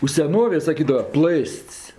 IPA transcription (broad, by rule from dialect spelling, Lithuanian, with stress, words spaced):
ʊ sʲɛˈnoːʋʲeːj sɐˈkʲiːdɐʋɐ ˈplˠɘsʲtʲsʲ